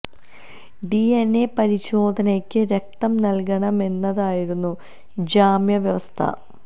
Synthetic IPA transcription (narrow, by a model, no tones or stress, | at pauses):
ɖienːepɐɾiɕo̞ːd̪ʱɐnekʲːɨɾe̞k̚t̪ɐmnɐlk̬ɐɳɐme̞nːɐðaːjiɾunːu | d͡ʑaːmjɐʋjɐʋɐst̪ʰɐ̰